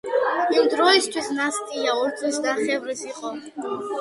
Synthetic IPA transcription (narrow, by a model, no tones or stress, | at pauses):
imd̪ɾɔist̪ʰwisnast̪ʼijaɔɾt̪ʼusd̪aχɛvɾisiqʼɔ